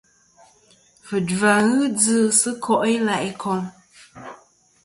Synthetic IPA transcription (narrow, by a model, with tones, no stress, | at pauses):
fɨ˨dva˨ɣɨ˦d͡zɨː˦sɨ˦kʰɔ˦ʔi˦la˨ʔi˨kʰɔ˨ŋ